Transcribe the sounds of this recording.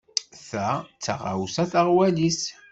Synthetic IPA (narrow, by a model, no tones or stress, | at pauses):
θæt͡sːaʁa̰wsæθəʁwælis